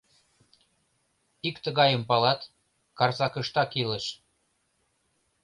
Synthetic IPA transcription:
ikt̪ə̆ɣɑjə̆mpɑlɑt̪ | kɑrsɑkə̆ʃt̪ɑkileʃ

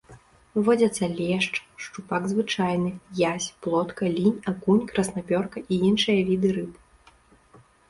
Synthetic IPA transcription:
ɨvɔd͡zʲɐt̪sːɐlʲɛʂt͡ʂʂt͡ʂupaɡzvɨt͡ʂajnɨjasʲplˠɔt̪kɐlʲinʲakunʲkɾɐsnapʲɔrkɐʔiinʂɨjɐvʲid̪ɨɾɨpɨ

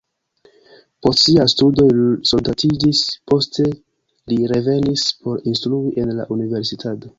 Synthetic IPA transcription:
po̞stsiastudo̞so̞ldatʰid͡ʒispo̞stʰe̞ | liɾe̞ve̞nispo̞ɾinstɾuiʔe̞nla̰ʔunive̞ɾsitʰato̞

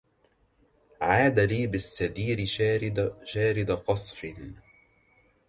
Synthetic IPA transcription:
ʕaːd̪aliːbɪsːad̪iːɾɪ | ʃaːɾɪd̪aqɑsˤfɪn

